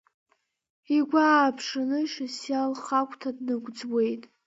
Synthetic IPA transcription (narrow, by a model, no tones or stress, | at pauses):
iɡʷaːpʰʂanɨʃasjalχakʷʰʼtʰadnɨɡʷd͡zwe̞jtʼ